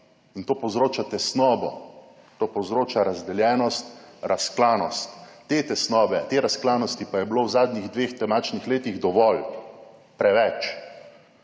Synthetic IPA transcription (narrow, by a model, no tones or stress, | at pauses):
int̪oːpɔwzɾoːt͡ʃat̪ɛsnɔːbɔ̰ | t̪oːpɔwzɾoːt͡ʃaɾazd̪ɛljɛːnɔst̪ɾʔasklaːnɔst̪ːet̪ɛsnɔːbɛt̪eːɾasklaːnɔst̪ipajɛbloːwzaːd̪niɣd̪ʋeːxt̪ɛmaːt͡ʃnixleːt̪iɣd̪ɔʋɔl | pɾɛʋɛt͡ʃ